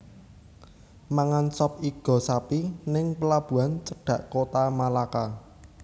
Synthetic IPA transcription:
maŋansɔp̚iɡ̥ɔ̤sapinɪŋpəlab̥ṳant͡ʃəɖ̥a̤ʔkot̪amalaka

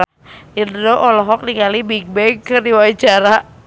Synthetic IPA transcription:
indoʔɔlɔɦɔk̚nikalibiɡ̚bɛŋkɨrdiwait͡ʃaɾa

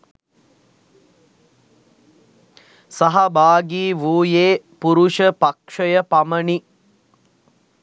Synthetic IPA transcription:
sɐɦɐbaːɡiːʋuːjeːpuɾuʂəpakʂəjəpaməɳi

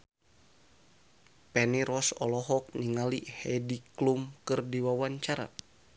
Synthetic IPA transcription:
pɛniɾɔsɔlɔɦɔk̚niŋalihɛdiklumkɨrdiwawaɲt͡ʃaɾa̰

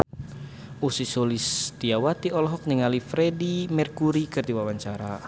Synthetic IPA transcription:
usisolist̪iawat̪iɔlɔɦɔk̚niŋalifɾedimɛrkuɾikɨrd̪iwawaɲt͡ʃaɾa

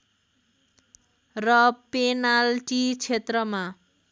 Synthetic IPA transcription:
rʌpenalʈit͡sʰet̪rʌma

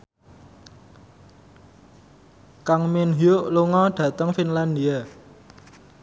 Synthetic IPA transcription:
kaŋminɦiʊʔluŋɔɖ̥ä̤t̪əŋfinland̪ia

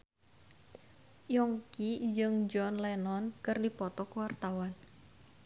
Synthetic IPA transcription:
jɔŋkid͡ʒɨŋd͡ʒɔnlɛnɔnkɨrdipɔt̪ɔkəwart̪awan

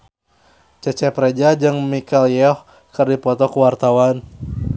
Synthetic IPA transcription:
t͡ʃət͡ʃɛpɾɛd͡ʒad͡ʒɨŋmikaljɔh | kɨrdipɔt̪ɔkuwart̪awan

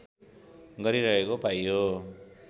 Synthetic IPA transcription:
ɡʌɾiɾʌɦekopajo

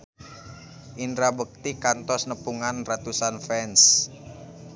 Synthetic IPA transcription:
ʔinɾabək̚t̪ikant̪ɔsnəpuŋanrat̪usanfɛns

